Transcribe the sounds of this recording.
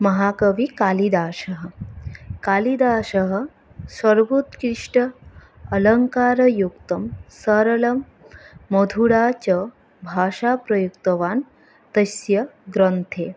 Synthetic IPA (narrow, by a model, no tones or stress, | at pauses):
mɐɦaːkɐʋikaːlid̪aːʃɐɦə | kaːlid̪aːʃɐɦə̆ | sʋɐɾbut̪kɾiʂʈɐː | lɐŋkaːɾɐjukt̪ɐmsɐɾɐlɐmː | ɐd̪ʱuɽaːt͡ɕɐ | bʱaːʃapɾɐjukt̪ɐʋaːn | t̪ɐsjɐɡɾɐnt̪ʰeː